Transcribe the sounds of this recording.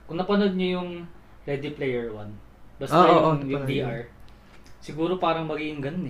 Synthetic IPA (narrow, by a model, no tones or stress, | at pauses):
kʊŋnɐpɐnod̪̚ɲojʊŋ | ɾɛd̪ɪplɛjɛɹwɐn | bɐsɐjʊjʊŋd̪iʔaɹ | sɪɡuːɾo̞paːɾɐŋmɐɡiːʔɪŋɡɐnonɛ